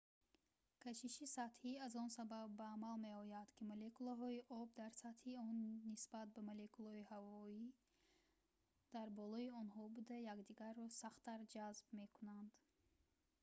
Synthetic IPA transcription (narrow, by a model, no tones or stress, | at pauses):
kʰæt͡ʃiʃisat̪hiazɔnsababːæːmalmeɔjad̪̥kʰimɔlekulaɦɔiʔɔb̚d̪aɾsat̪hiɔnːisbat̪̚bamɔlekulɔihavɔi | d̪̥aɾbɔlɔiɔnɦɔbud̪ajakd̪iɡaɾːɔsaχt̪ːaɾd͡ʒazbme̞kʰunand̪